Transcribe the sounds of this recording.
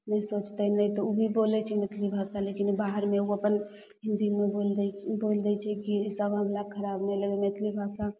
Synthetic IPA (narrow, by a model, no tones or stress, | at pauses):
nəisot͡ʃt̪ɛnəit̪ɔubʱibolɛt͡ʃʰɛmet̪ʰlibʱasalekinbaɦəɾmeuəpən | ɦind̪imeolbold̪ɛt͡ʃʰɛkisəɡãblaɡkʰəɾabmeləɡemet̪ʰlibʱasa